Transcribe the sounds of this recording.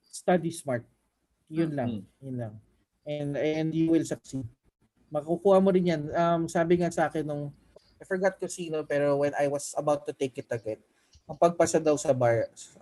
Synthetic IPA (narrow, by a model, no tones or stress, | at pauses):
st̪ad̪ismaɹt̪̚ | jʊnlaŋjʊnlɐŋ | ʔɛnd̪ɛnd̪juwɪlsɐk̚si | mɐkɐkukuːhɐmoɾɪnjanɐmsaːbɪŋasɐʔaːkɛnːʊŋ | ʔajfɔɹɡat̪̚kʊsiːnopɛːɾowɛnʔajwɐsɐbawt̪̚ːʊt̪ejkɪt̪ːɐɡɛt̪̚ | ʔɐŋpɐɡ̚pɐsɐd̪ɐwsɐbaɹs